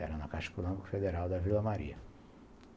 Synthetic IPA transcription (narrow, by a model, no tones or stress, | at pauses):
ɛ̰ɾɐnɐkaʃɐ̥kulɐ̃mikʊ̥fed̪eɾawd̪ɐvilɐmaɾḭɐ